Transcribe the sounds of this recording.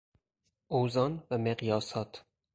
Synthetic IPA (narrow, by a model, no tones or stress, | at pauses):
ʔoːzɒːnvæmeɣjɒːsɒːt̪ʰ